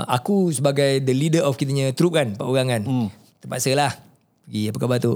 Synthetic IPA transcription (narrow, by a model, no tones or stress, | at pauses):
ʔa̰kusəbaɡajd̪əlidəʔɔfkit̪̬aɲãt̪ɾup̚kanpaʔuɣaŋan | t̪əpaʔ̪səlah | pəɡiapakabat̪u